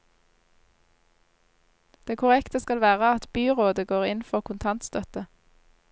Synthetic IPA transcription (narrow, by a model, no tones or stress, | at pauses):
d̪̥eːkʰʊʁɛkt̪əskɑlʋæːʁəɑt̪b̥yːʁoːd̪əɡoːʁɪnfɔʁkʰʊnt̪ʰɑnt̪st̪œt̪ə